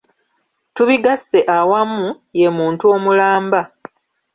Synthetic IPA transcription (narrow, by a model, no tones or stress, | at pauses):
tuβiɡasːe̞ʔawamːu | je̞muːntuo̞mulaːmba